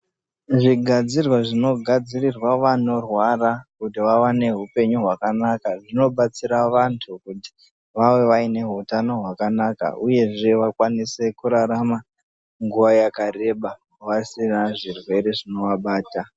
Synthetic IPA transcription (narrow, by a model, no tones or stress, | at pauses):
ʐiɡʱad͡zirwaʐino̞ɡʱad͡zirirwaʋano̞rwarakutiʋawane̞ɦupe̞ɲuɦwakanakaʐino̞ɓat͡siɾaʋantʰukuti̥ | ʋawe̞ʋaine̞ɦutano̞ɦwakanaka̰uje̞ʐe̞ʋakwanise̞kuɾaɾama | ŋɡuʋajakare̞ɓa | ʋasinaʐirwe̞ɾe̞ʐino̞ʋaɓaːta